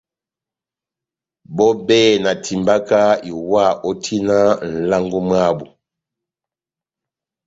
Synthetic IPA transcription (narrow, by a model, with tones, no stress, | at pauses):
bɔ˦bɛː˦˨na˨tʰi˨mba˦ka˦i˨wa˦˨ʔɔ˦tʰi˦na˦n̩˨la˦ŋɡu˦ma˦bu˨